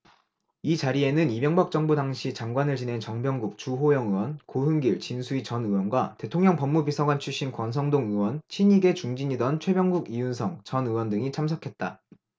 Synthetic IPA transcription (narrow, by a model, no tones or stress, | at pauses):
it͡ɕaɾie̞nɯnibjʌŋbak̚t͡ɕ͈ʌŋbudaŋɕʰit͡ɕaŋɡwanɯɭt͡ɕine̞nt͡ɕʌŋbjʌŋɡuk̚t͡ɕuɦojʌŋɯwʌnkoɦɯŋɡiɭt͡ɕinsʰuit͡ɕʌnɯwʌnɡwate̞tʰoŋɲʌŋpʌmːubisʰʌɡwant͡ɕʰuɕ͈inkwʌns̬ʰʌŋdoŋɯwʌnt͡ɕʰiɲiɡe̞t͡ɕuŋd͡ʑiɲidʌnt͡ɕʰwe̞bjʌŋɡuɡijunsʰʌŋt͡ɕʌnɯwʌndɯŋit͡ɕʰamsʰʌkʰe̞t̚t͈a